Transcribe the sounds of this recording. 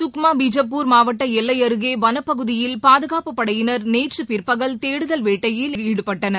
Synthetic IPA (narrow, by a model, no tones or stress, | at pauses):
sʊkmaːbid͡ʒɐp̬ːuːɾmaːʋɐʈːɐɛlːɐjɐɾɯɣeːʋɐnɐpːɐɣɯðɪjɪlpaːðɯɣaːpɯpːɐɽɐjɪnɐɾneːʈrɯpɪɾpɐɣɐlt̪eːɽɯðɐlʋeːʈːɐjɪlɪɽɯpːɐʈːɐnɐ